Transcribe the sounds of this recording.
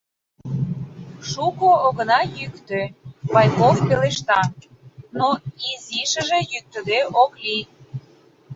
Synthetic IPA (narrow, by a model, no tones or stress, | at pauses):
ʃukoːɣə̆nɑjykt̪øβɑjkofpeleʃt̪ɑ | noiziʃə̆ʒejyk̚t̪ə̆d̪eʔokli